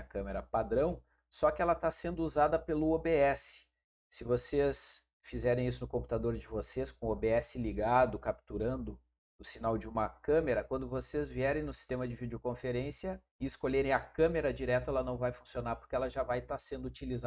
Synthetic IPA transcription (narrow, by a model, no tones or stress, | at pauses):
ɐkɐ̃meɾɐpad̪ɾɐ̃w̃ | sɔkɪɛlɐt̪asẽnd̪ʊuzad̪ɐpelʊobeɛsɪ̥ | sɪvoses | fizɛɾẽj̃isʊnʊkõmpu̥t̪ad̪oɾd͡ʒɪvoseskõobeɛsɪliɡad̪ʊkap̚t̪uɾɐ̃nd̪ʊ | ʊsinawd͡ʒɪũmɐkɐ̃meɾɐkwɐ̃nd̪ʊvosezviɛɾẽj̃nʊsi̥st̪ẽmɐd͡ʒɪvid͡ʒɪokõfeɾẽsiɐ | ɪɪskoʎeɾẽj̃ɐkɐ̃meɾɐd͡ʒiɾɛt̪ʊɛlɐnɐ̃w̃vajfũsionaɾpʊɾkʲɪɛlɐʒavajt̪asẽnd̪ʊut͡ʃiliza